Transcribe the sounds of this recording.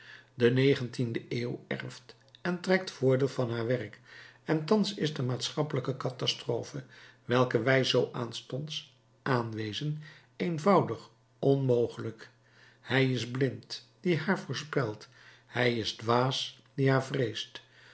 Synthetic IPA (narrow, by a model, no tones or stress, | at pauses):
dənejχəntindəeːwɛ̰rft | ɛntrɛk̚tfʊːɹdɪːlˠvɑnɦaːɹʋɛrkɛntɑnsɪzdəmaːtsχɑpələkəkɑtɑstroːfəʋɛlˠkəʋɛjzowʔaːnstɔnts | ʔaːnʋejzən | ejnvʌwdəχ | ɔnmowχələk | hɛjɪzblɪntd̥iɦaːɹvʊːɹspɛlˠt | hɛjɪzdʋaːs | d̥iɦaːɹvrejst